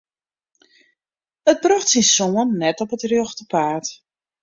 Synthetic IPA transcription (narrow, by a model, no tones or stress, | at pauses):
ət̚broxtsinsoənːɛtɔpətrjoxtəpaːt